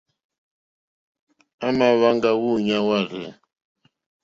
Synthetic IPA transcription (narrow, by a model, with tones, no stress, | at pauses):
a˦ma˦˨βa˦ŋɡa˦ɣu˦˨ɲa˦wa˦˨ɣɛ̰˨